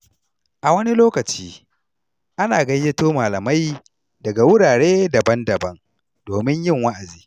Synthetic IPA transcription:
ʔa˨wɐ˦ni˦loː˦kɐ˨t͡ʃiː˦ | ʔa˦naː˨ɡɐ˦jːe˦toː˦maː˨lɐ˨ma˦j | dɐ˨ɡa˨wʊ˦ɽaː˨ɽeː˦dɐ˨bɐ˦ndɐ˨bɐ˦ŋ | d̥oː˨mɪ˦ɲjɪ˦˨ŋwa˦ʔa˨d͡ʒiː˦

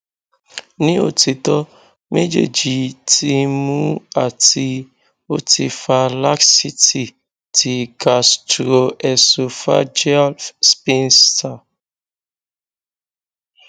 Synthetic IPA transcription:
nĩ˦o̰˦˨ti˧tɔ˦ | me˦d͡ʒḛ˨d͡ʒi˨tʰi˧mũ˦a˦˨ti˧ | o˦ti˧fa˧la˦ksi˦ti˨ | tʰi˨ka˨stɾo˨ɛ˨so˨fa̰˦d͡ʒɛ˦lfspĩ˦nsta˨

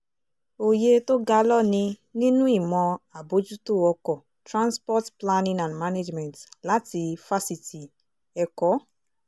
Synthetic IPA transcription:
o˨je˧to˦ɡa˧lɔ˦nĩ˧nĩ˦nũ˦i˦˨mɔ̃˧a˨bo˨˦d͡ʒu˦to˦˨ɔ˧kɔ˨ | tɾã˦nspɔ˦tpla˦nĩ˦nã˨ndma˦ne˦d͡ʒmɛ̃˨ntla˦ti˧fa˦si˨ti˨ | ɛ˧kɔ˦

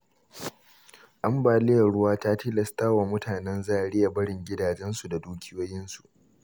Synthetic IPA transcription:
ʔa˦mbaː˨lɪ˦jɐ˨ɽʊ˦waː˦taː˦tiː˦lɐ˨staː˦waː˨mʊ˦tʰaː˨nɛ˦nzaː˦ʔa˨ɽɪ˦ja˨bɐ˦ɽɪ˨ŋɡʲɪ˦daː˨d͡ʒɛ˦nsu˨da˨duː˦kʲʰɪ˦joː˦jɪ˦nsu˨ʔ

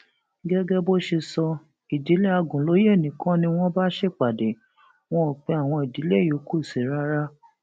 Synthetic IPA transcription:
ɡɛ˦ɡɛ˦bo˦ʃe˧sɔ˧ | i˨di˨˦le˦a˧ɡũ˨lo˨˦je˦˨nĩ˨kɔ̃˦nĩ˧w̃ɔ̃˦ba˦ʃe˦˨k͡pa˨de˨ | w̃ɔ̃˦˨k͡pɛ˧a˨w̃ɔ̃˧i˨di˨˦le˦˨jo˨˦ku˦i˨se˨ɾa˦ɾa˦

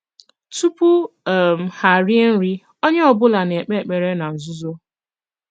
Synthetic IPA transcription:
tu˦pu˦˨m̩˨ha˨ɾi˦e˦n̩˦ɾi˦ | o˦ɲe˦ɔ˨bʊ˦la˨ne˨k͡pe˦˨k͡pe˨ɾe˦na˨n̩˨zʊ˦zo˦

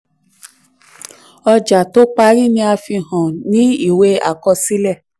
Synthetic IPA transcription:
ɔ˧d͡ʒa˨to˨˦k͡pa˧ɾi˦˨nĩ˧a˧fi˧hɔ̃˨nĩ˦i˦˨we˧a̰˨kɔ˧si˦lɛ˦˨

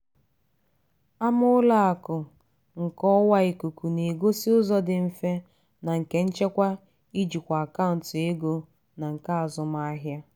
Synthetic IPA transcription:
a˦mʊ˦la˦a˨kʊ˨ | ŋ̩˨kɔ˦wa˦ɪ˨ku˨ku˨ne˨ɡo˦si˦ʊ˦zɔ˦dɪ˨m̩˦˨fe˦ | na˨ŋ̩˨ke˦n̩˦t͡ʃe˦kʷa˦ | i˦d͡ʒi˨kʷa˨a˨ka˦ʊ˨n̩˨tʊ˨e˦ɡo˦ | na˨ŋ̩˨ka˦a˨zʊ˨m˦a˦ɦja˦

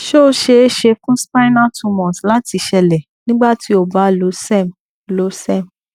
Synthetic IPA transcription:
ʃo˦˨ʃe˧˦ʃe˧fũ˦spa˦nã˦tu˧mɔ̃˨sla˦ti˧ʃɛ˧lɛ˨ | nĩ˦ɡ͡ba˦˨ti˧o˨ba˨˦lo˨˦sɛ˦˨m | lo˨˦sɛ˦˨m

